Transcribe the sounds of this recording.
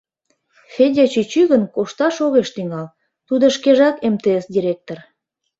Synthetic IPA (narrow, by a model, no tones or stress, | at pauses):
fedʲet͡ɕyt͡ɕyɣənkoʃt̪ɑʃoɣeʃt̪yŋɑl | t̪ud̪oʃkeʒɑkemt̪esdʲiɾʲek̚t̪or